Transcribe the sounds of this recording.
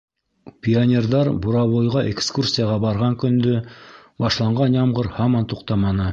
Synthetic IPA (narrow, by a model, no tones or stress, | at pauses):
pʲionʲerd̪ɑɾbuɾɑβojʁɑʔekskursʲijaʁɑbɑɾʁɑŋkɵ̆nd̪ɵbɑʃlˠɑɴʁɑnjɑmʁɤɾhɑmɑnt̪uqt̪ɑmɑnɤ